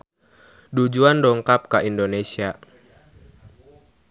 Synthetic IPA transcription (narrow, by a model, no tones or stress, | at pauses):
dud͡ʒuandɔŋkap̚kaindonesia